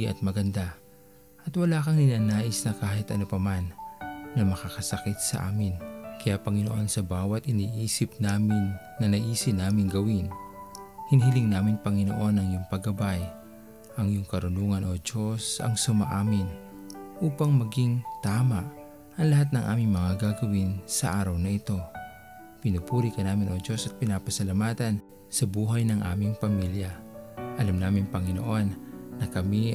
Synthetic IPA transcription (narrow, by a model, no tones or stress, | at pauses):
ʔɐ̰t̪̚mɐɡɐnd̪a | ʔɐt̪wɐlaːkɐŋnɪnaːnaːʔɪsnɐkaːɦɪt̪ʔɐ̰nʊpɐmanːɐmɐkakɐsɐkɪt̪̚sɐ̰ʔa̰ːmɪnkɐjaʔpɐŋɪno̰ʔo̞nsɐbaːwɐt̪ʔɪniːʔiːsɪp̚naːmɪnː | ɐnɐʔiːsɪnaːmɪŋɡɐwin | hɪnɦɪlɪŋnaːmɪnpɐŋɪno̰ʔo̞nɐŋjʊŋpɐɡɐbaj | ʔɐŋjʊŋkɐɾʊnuːŋɐnʔod͡ʒo̞sɐ̰ŋsʊma̰ʔaːmɪn | ʔuːpɐŋmɐɡiŋt̪aːmaʔ | ʔɐŋlɐhat̪̚nɐŋʔa̰ːmɪŋmɐŋaɡaɡɐwinsɐʔaːɾɐwnɐʔɪt̪o̞ | pɪnupuːɾikɐnaːmɪnod͡ʒo̞sɐt̪̚pɪnapɐsɐlamaːt̪ɐn | sɐbuːɦajnɐŋʔa̰ːmɪŋpɐmiljaʔɐlamnaːmɪŋpɐŋɪno̰ʔo̞nːɐkɐmi